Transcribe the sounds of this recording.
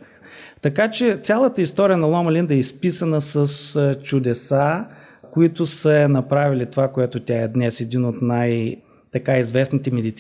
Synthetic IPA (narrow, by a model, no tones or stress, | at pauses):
t̪ɐkat͡ʃɛt̪sʲalˠət̪əist̪ɔɾijənɐlˠɔmɐlind̪ɛispisənəsəst͡ʃʊd̪ɛsa | koit̪ʊsənɐpɾavilit̪ovakoɛt̪ʊt̪ʲaɛd̪nɛsɛd̪inot̪naj | t̪ɐkaizvɛsnit̪ɛmɛd̪it̪s